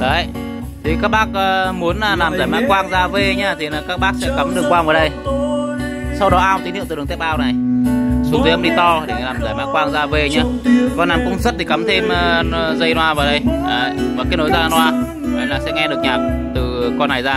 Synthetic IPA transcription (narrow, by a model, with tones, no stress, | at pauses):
ɗə˨˩j | t̪ʰi˨˩kaː˦˥k̚ɓaː˦˥k̚əː˨˩mu˨˦ənlaː˨˩laː˨˩mzaː˧˩jmaː˦˥kwaː˧ŋzaː˧ve˧˩ɲaː˧t̪ʰi˨˩naː˨˩kaː˦˥k̚ɓaː˦˥k̚sɛ̰˧˥ka˨˦mɗɨ˨˩əkwaː˧mvəː˨˩ɗə˧j | sa˧wɗɔ˨˦ʔaː˧t̪i˨˦i˧˨t̪ːŋt̪ɛ˦˥p̚ʔaː˧wna˨˩jsu˨˦ŋt̪i˨˦ə˧ŋ͡mɗi˧t̪ɔ˧ɗe˧˩laː˨˩mzaː˨˩jmaː˦˥kwaː˧ŋzaː˧ve˧ɲaː˧kɔ˧naː˨˩mkʊ̰˧˥ŋ͡mzə˦˥t̚t̪ʰi˨˩ka˨˦mt̪ʰe˧mː˨˧˩zə˧jnwaː˧vaː˨˩wɗə˧jɗə˨˩jvəː˨˩kaː˨˦jno˨˦jzaː˧nwaː˧ | ə˨˧˩jnlaː˨˩sɛ̰˧˥ŋɛ˧ɗɨ˨˩ək̚ɲaː˨˩k̚t̪ɨ˨˩kɔ˧nːa˨˩jzaː˧